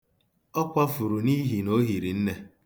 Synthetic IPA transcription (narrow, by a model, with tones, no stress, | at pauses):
ɔ˦kʷa˦fʊ˨ɾu˨ni˦ɦi˨no˦ɦi˨ɾi˨n̩˦ne˦